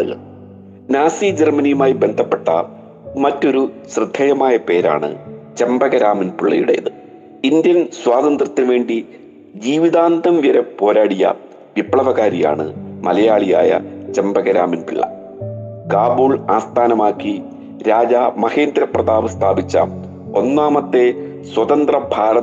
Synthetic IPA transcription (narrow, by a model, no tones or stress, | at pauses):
ɐ̰ | naːsid͡ʑermɐnijumaːjibe̞nd̪ʱɐpːe̞ʈːɐ̰ | mɐtːo̞ɾuɕrɨd̪ʱːeːjɐmaːjɐpe̞ːɾa̰ːɳɨ̰t͡ɕe̞mbɐɣɐɾaːminpiɭːɐ̰jṵɽejɐ̰ðɨ | ind̪jɐnswaːd̪ɐnd̪rɐt̪ːinʋe̞ːɳɖi | d͡ʑiːʋiðaːnd̪ɐmʋjɐɾɐpo̞ːɾaːɽijɐ̰ | ʋipːɭɐʋɐɣaːɾija̰ːɳɨ̰mɐlɐjaːɭijaːjɐ̰t͡ɕembɐɣɐɾaːminpiɭːɐ̰ | kaːbuːɭaːst̪ʰaːnɐmaːkːi | ɾaːd͡ʑamɐheːnd̪ɾɐprɐðaːʋɨst̪ʰaːbit͡ɕːa̰m | o̞nːaːmɐt̪ːe̞ | swɐt̪ɐnd̪rɐbʱaːɾɐ